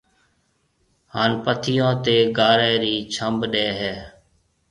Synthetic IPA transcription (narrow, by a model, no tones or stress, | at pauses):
haːnpət̪ʰɪjõːt̪eːɡaːɾɛːɾiːt͡ʃʰəmbɗɛːɦɛː